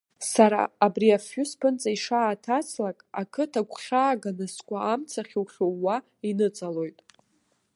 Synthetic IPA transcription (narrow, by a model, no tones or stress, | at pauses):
saɾa̰ːbriafːʊspʰɨnt͡sʼaiʂaːtʰat͡sʰlakʼa̰kʰɨtʰakʷʼʰχʲaːɡanɨskʷʼaːmt͡sʰaχʲiwχʲowa | inɨt͡sʼalo̞jtʼ